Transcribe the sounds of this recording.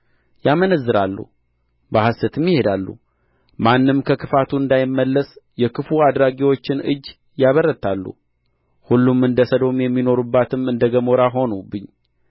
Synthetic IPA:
jamənəzːɨɾalːṵ | bahasət̪ʰɨmːjɪhe̞d̪alːṵ | manːɨmkʰəkʰɨfat̪ʰuɨnd̪ajɪmːəlːəsjɛkɨfuad̪ɾaɡiwo̞t͡ʃːɪnɨd͡ʒː | jaβərːət̪ʰalːṵ | hulːumɨnd̪əsəd̪o̞mjɛmːino̞ɾubːat̪ʰɨmɨnd̪əɡəmo̞ɾaɦo̞nubɨɲː

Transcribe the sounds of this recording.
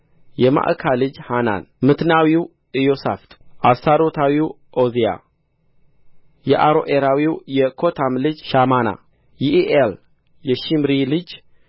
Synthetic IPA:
jɛma̰ʔkʰalɨd͡ʒhana̰nmɨt̪nawiw | ʔɨjosa̰ft̪ʔasaɾo̞t̪ʰawiw | ʔozija̰ | jɛʔaɾo̞ʔeɾawiwjɛkʰo̞t̪ʰamlɨd͡ʒʃamana̰ | jiʔiʔel | jɛʃimɾilɨd͡ʒ

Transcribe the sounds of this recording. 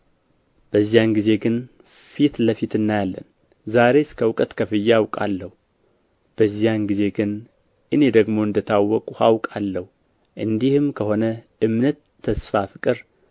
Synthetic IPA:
b̥əzːijanɡize̞ɡɨn | fit̪ləfit̪ɨnːajalːə̰n | zaɾe̞skʰəwkʼət̪kʰəfɨjːawkʼa̰lːəhu | b̥əzːijanɡize̞ɡɨn | ʔɨne̞d̪əɡmo̞ɨnd̪ət̪ʰawːɔkʼuhawkʼalːəhu | ʔɨnd̪ihɨmkʰəho̞nəʔɨmnət̪ʰːəsfafɨkʼɨɾ

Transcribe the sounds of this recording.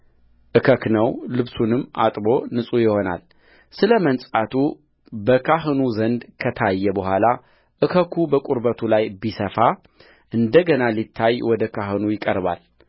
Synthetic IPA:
ʔɨkʰəknəwlɨβsunɨmːʔa̰t̪ʼbo̞nɨsʼujɪho̞na̰l | sɨləmənsʼat̪ʰu | bəkʰaɦɨnuzənd̪kʰət̪ʰajːɛbəhʷala | ʔɨkʰəkʰubəkʼuɾbət̪ʰulajbisəfa | ʔɨnd̪əɡənalit̪ʰːajwɔd̪əkʰaɦɨnujɪkʼəɾβa̰l

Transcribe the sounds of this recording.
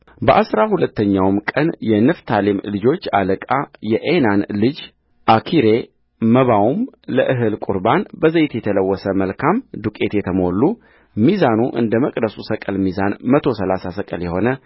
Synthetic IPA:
bəʔasɾahulət̪ːəɲːawmkʼənjɛnɨft̪ʰalimlɨd͡ʒo̞t͡ʃːa̰ləkʼajɛʔenanlɨd͡ʒ | ʔakʰiɾe̞ | məβawumləʔɨɦɨlkʼuɾbanbəzəjt̪jɛt̪ʰələwːɔsəməlkʰamd̪ukʼe̞t̪jɛt̪ʰəmo̞lːu | mizanuʔɨ̰nd̪əməkʼd̪əsusəkʼəlmizanmət̪ʰo̞səlasasəkʼəljɛho̞nə

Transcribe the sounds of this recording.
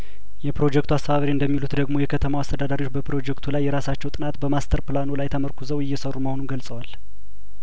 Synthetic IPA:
jɛpɾo̞d͡ʒɛkt̪uast̪əβaβɾiɨnd̪əmːilut̪d̪əɡmo̞jɛkʰət̪ʰəmawast̪ʰəd̪ad̪aɾiwot͡ʃːbəpɾo̞d͡ʒɛkt̪ʰulajːɛɾasat͡ʃːɛwt̪ʼɨnat̪bəmast̪ʰəɾplanulajt̪ʰəməɾkʰuzəwɪjːɛsərːuməho̞nunɡəlsʼəwal

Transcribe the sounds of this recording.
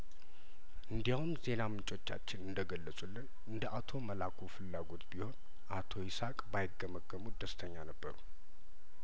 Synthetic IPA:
ʔɨnd̪ijawunze̞namɨnt͡ʃʼo̞t͡ʃːa̰t͡ʃːɪnɨnd̪əɡəlːəsʼulːɨn | ɨnd̪əʔat̪ʰo̞məlakʰufɨlːaɡo̞t̪biho̞n | ʔat̪ʰo̞jɪsakʼbajɪɡːəməkːəmud̪əst̪ʰəɲːanəbːə̰ɾu

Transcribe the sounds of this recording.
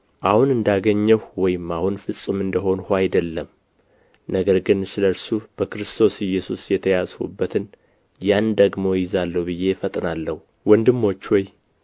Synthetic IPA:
ʔahunɨnd̪aɡəɲːəhwɔjɪmahunfɨsʼumɨnd̪əɦo̞nhʷajd̪əlːəm | nəɡəɾɡɨnsɨləɾsub̥əkɨɾɨst̪ʰo̞sɪjːɛsusjɛt̪ʰəjazhṵbːət̪ʰɨn | jand̪əɡmo̞jɪzalːəhubɨjːe̞fət̪ʼnalːəhu | wɔnd̪ɨmːo̞t͡ʃːwɔj

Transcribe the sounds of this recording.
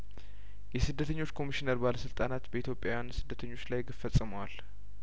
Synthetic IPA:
jɛsɨd̪ːət̪ʰəɲːo̞t͡ʃːkʰo̞miʃinəɾbaləsɨlt̪ʼanat̪bəit̪ʰjo̞pʼjajansɨd̪ːət̪ʰəɲːo̞t͡ʃːlajɡəfəsʼːɨməwal

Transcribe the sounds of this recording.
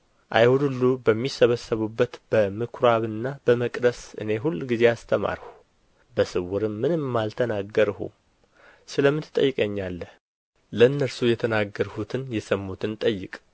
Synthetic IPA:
ʔa̰jhud̪ulːubəmːisəβəsːəβubːət̪b̥əmɨkʰɾaβɨnːab̥əməkʼd̪əsɨ̰ne̞ɦulːɡize̞ast̪ʰəma̰ɾhu | bəsɨwuɾɨmːɨnɨmːalt̪ʰənaɡːəɾhṵ | sɨləmːɨt̪ʰɨ̥t̪ʼːə̰jːɨkʼəɲːalːəh | lənːəɾsujɛt̪ʰənaɡːəɾhut̪ʰɨnjɛsəmːut̪ʰɨnt̪ʼəjːɪ̰kʼ

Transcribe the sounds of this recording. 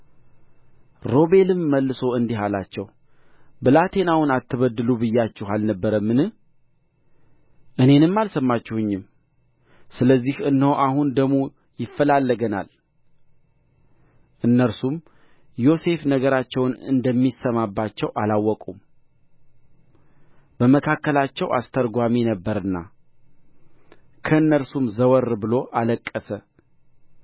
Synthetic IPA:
ɾo̞βe̞lɨmːəlːɨso̞ɨnd̪iɦalat͡ʃːɛw | bɨlat̪ʰe̞nawɨnat̪ʰːɨβəd̪ːɨlubɨjːat͡ʃːɛɦalnəbːəɾəmːɨnɨh | ʔɨne̞nɨmːalsəmːat͡ʃːɛhɨɲːɪm | sɨləzːihɨnːhowʔaɦund̪əɡmo̞ | jɪfːəlalːəɡəna̰l | ʔɨnːəɾsum | jo̞se̞fnəɡəɾat͡ʃːɛwnɨ̰nd̪əmːisəmabːat͡ʃːɛwʔalawːɔkʼum | b̥əməkʰakːəlat͡ʃːɛwʔa̰st̪ʰəɾɡʷaminəbːəɾɨnːa̰ | kʰəɨnːəɾsumzəwɔɾːbɨlo̞ʔaləkʼːəsə

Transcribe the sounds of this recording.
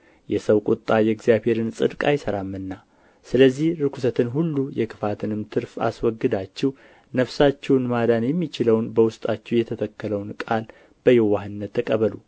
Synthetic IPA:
jɛsəwkʼʊt̪ʼːajɛɡzijaβhe̞ɾɨnsʼɨd̪kʼajsəɾamːɨnːa | sɨləzːihɾɨkʰusət̪ʰɨnɦulːujɛkʰɨfat̪ʰɨnɨmt̪ʰɨɾfa̰swɔɡːɨd̪at͡ʃːɛw | nəfsat͡ʃːɛwnmad̪anjɛmːit͡ʃɪləwnbəwʊst̪ʼat͡ʃːɛwjɛt̪ʰət̪ʰəkːələwnkʼal | b̥əjɛwahɨnːət̪ʰːəkʼəβəlu

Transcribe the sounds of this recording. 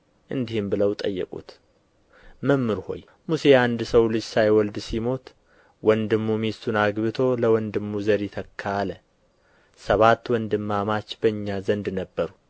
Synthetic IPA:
ʔɨnd̪ihɨmbɨləwt̪ʼə̰jːɛ̰kʼṵt̪ | məmːɨɾho̞̰j | muse̞and̪səwlɨd͡ʒsajwɔld̪simo̞t̪ | wɔnd̪ɨmːumist̪ʰunaɡβɨt̪ʰo̞ləwɔnd̪ɨmːuzəɾjit̪ʰəkʰːaːlə | səβat̪ːwɔnd̪ɨmːamat͡ʃːbəɨɲːazənd̪nəbːəɾu

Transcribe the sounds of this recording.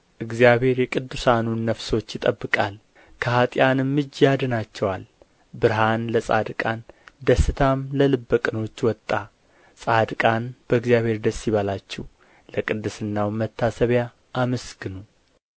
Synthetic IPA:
ʔɨɡzijaβhe̞ɾjɛkʼɨd̪ːusanunːəfso̞t͡ʃːjɪt̪ʼəbːɨkʼal | kʰəhat̪ʼjanɨmːɨd͡ʒːjad̪ɨnat͡ʃːɛwal | bɨɾɦanləsʼad̪ɨkʼand̪əsːɨt̪ʰamləlɨbːəkʼɨno̞t͡ʃːwɔt̪ʼːa | sʼad̪kʼanb̥əɨɡzjaβhe̞ɾd̪əsːiβalat͡ʃːɛw | ləkʼɨd̪ːɨsɨnːawmət̪ʰːasəβja | ʔːməsɡɨnu

